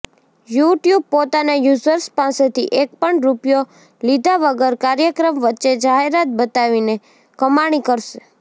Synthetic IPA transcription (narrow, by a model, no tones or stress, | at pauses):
juʈjub̚pot̪anajuzəɾspãset̪ʰiʔek̚pəɳɾupjo | lid̪ʱaʋəɡəɾkaɾjəkɾəmʋətːt͡ʃʃed͡ʒaɦeɾat̪̚bət̪aʋine | kəmaɽ̃ikəɾʃe